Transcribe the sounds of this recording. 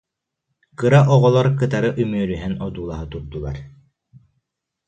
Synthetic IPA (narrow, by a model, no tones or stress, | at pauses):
kɯɾaʔɔʁɔlˠɔɾkɯt̪aɾɯʔymyːɾyɦɛnɔd̪uːlˠaɦɯt̪uɾd̪ulˠa̰ɾ